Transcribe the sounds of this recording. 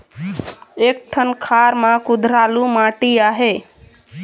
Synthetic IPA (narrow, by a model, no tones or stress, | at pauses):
ek̚ʈʰənkʰaɾmãkud̪ʱɾalumaʈiaɦe